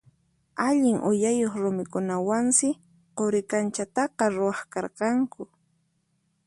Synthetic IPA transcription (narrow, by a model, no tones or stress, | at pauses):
aʎɪŋʔʊ̰jajoχɾʊmɪkʊnawansɪ | qoɾɪkant͡ʃat̪ɑqɑɾʊɑχkɑɾqɑŋkʊ